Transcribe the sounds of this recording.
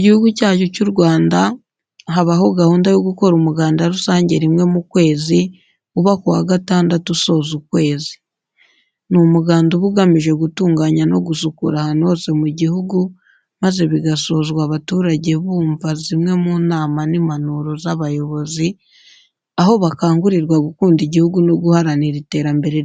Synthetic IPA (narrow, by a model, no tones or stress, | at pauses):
iɟihuɡucaːcucuɾɡwaːnda | ɦaβaɦo̞ɡahuːndajoɡuko̞ɾumuɡaːndaɾusaːɲɟe̞ɾimŋe̞mukwe̞ːzi | uβakohaɡataːndatuso̞ːzukwe̞ːzi̥ | numuɡaːnduβuɡamiʒe̞ɡutuːŋɡaːɲano̞ɡusukuɾahano̞ːze̞muɟihuɡu | maze̞βiɡaso̞zwaβatuːɾaɟe̞βuːɱvazimŋe̞munaːmanimanuɾo̞zaβajo̞βo̞zi | aɦo̞βakaːŋɡuɾiɾɡwaβukuːndiɟihuɡuno̞ɡuhaɾaniɾite̞ːɾambe̞ɾe